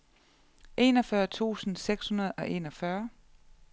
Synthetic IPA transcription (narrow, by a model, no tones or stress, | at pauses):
ʔe̝̰ːnɒ̽fɶːɐt͡sʰṵːsn̩seɡ̥shunɐð̞ˠɒ̽ʔe̝̰ːnɒ̽fɶɐ